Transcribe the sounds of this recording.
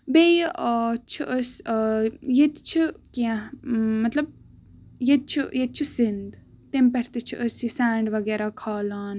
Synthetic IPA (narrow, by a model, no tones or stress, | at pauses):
bejʔət͡ʃʰiʔəs | jet̪t͡ʃʰikiãmɐt̪lɐb̚ | jet̪̚t͡ʃʰujed̪̚t͡ʃʰisind̪ | t̪empɐɾt̪it͡ʃʰiʔəsisaːɳɖʋɐɡeːɾakʰaːlaːn